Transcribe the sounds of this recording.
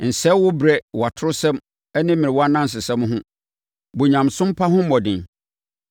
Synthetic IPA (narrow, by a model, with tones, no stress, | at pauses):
n̩˨sɛ˦wʊ˦bɾɛ˦wa˨tʰʊ˦ɾʊ˦sɛ̃˦m | ɛ˦nɪ̃˦mĩ˨ɪ˨wɔ˦a˦nã˦n̩˨s̬ɪ˨sɛ̃˦mɦʊ̃˦ | bo˨ɲã˨msʊ̃˦m̩˦pʰa˦ɦʊ̃˦m˦mɔ˨dɪ̰̃˨n